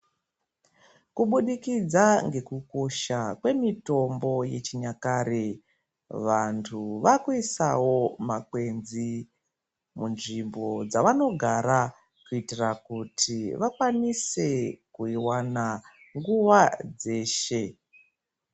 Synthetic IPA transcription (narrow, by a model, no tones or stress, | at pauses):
kuɓuɗikid͡zaŋɡe̞kuko̞ʃakwe̞mito̞mbo̞je̞t͡ʃiɲakaɾe | ʋantʰuʋakuisawo̞makwe̞nzi | munʐimbo̞d͡zaʋano̞ɡʱaɾa | kuitirakutʰiʋakwanise̞kuiwana | ŋɡuʋad͡ze̞ːʃe̞